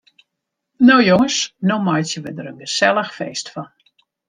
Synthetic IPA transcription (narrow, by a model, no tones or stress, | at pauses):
nowjoŋəsnomɔjtjəʋədəɾənɡəsɛlˠəxfeːstfɔn